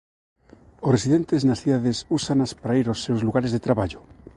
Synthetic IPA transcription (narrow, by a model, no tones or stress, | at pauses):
osresiðent̪eznasθiðaðesusanaspaɾaiɾosːewzluɣaɾezðet̪ɾaβaʎo